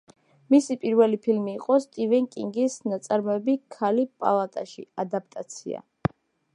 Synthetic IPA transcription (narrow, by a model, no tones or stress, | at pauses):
misipʼiɾvɛlipʰilmiːqʼɔst̪ʼivɛŋkʼiŋɡisnat̪sʼaɾmɔɛbikʰalipʼa̰lˠat̪ʼaʃḭad̪ap̚ʰʼt̪ʼat̪sʰḭa̰